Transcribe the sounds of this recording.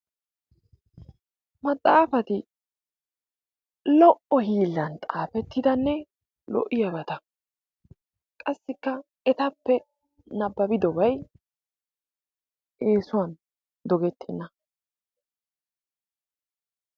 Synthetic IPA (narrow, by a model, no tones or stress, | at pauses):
mɐt̪ʼːaːfɐt̪ɪ | lɔʔɔhiːlːɐnt̪ʼaːpɛt̪ːɪd̪ɐnːɛ | lɔ̰ʔɪjɐbɐt̪ɐ | kʼɐsːɪkːɐ | ɛt̪ɐpːɛ | nɐbːɐbɪd̪ɔbɐj | eːsʊwɐn | d̪ɔɡɛt̪ʰːɛnːɐ